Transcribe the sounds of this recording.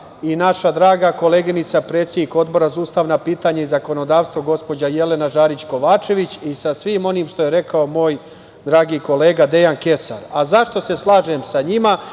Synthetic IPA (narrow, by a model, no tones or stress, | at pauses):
inaʃad̪ɾaːɡako̞leːɡinit̪sapɾet̪sed̪niko̞d̪bo̞ɾazuːst̪aʋnapiːt̪aɲeizako̞no̞d̪aːʋst̪ʋoɡo̞spo̞d͡ʑaje̞le̞naʒaːɾit͡ɕko̞ʋaːt͡ʃe̞ʋit͡ɕisasʋiːmo̞niːmʃt̪o̞je̞ɾe̞kaomo̞ːj | d̪ɾaːɡiko̞leːɡad̪e̞janke̞sa̰ɾazaʃt̪o̞se̞slˠaːʒemsaɲima